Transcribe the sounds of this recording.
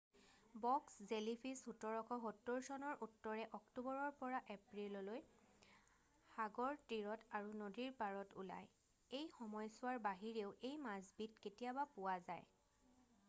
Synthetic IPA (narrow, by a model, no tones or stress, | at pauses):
bɔkszelipʰisxutɔɹɔkʰɔɦɔtːoɹsɔnɔɹʔutːɔɹɛʔɔktubɔɹɔɹpɔɹaʔepɹilɔloj | xaɡɔɹtiɹɔtʰaɹunodiɹpaɹɔtṵla̰j | ejxɔmɔjsʊwaɹbaɦiɹeʊʔejmazbitketijabapʊwazaj